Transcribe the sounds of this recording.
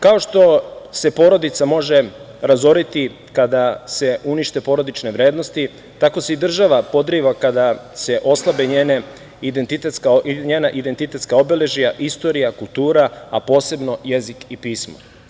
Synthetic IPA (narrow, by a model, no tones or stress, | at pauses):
kao̞ʃt̪o̞se̞po̞ɾo̞d̪it̪samo̞ʒe̞ | ɾazo̞ɾit̪i | kad̪ase̞ʔuniʃt̪e̞po̞ːɾo̞d̪it͡ʃneʋɾe̞ːd̪no̞st̪i | t̪ako̞se̞id̪r̩ʒaʋapo̞d̪ɾiʋakad̪ase̞ʔo̞slˠabeɲeːne | id̪ent̪it̪et̪skaɲeːnaʔid̪ent̪it̪e̞t̪skaobele̞ʒijaʔist̪o̞ɾijakulˠt̪uːɾaapo̞ːse̞bno̞je̞zikipiːsmo̰